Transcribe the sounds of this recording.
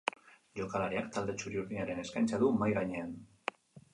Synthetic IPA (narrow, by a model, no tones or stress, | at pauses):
ʎokalaɾeakt̪ald̪et͡ʃuɾiuɾðiɲaɾeneskanʲt͡ʃaðumajɾaɲean